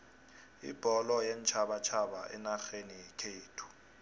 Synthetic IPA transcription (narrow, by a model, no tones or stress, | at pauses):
ḭb̥ʱɔlɔjɛnt͡ʃʰaɓat͡ʃʰaɓaʔɛnaxenijɛkʰeːtʰu̥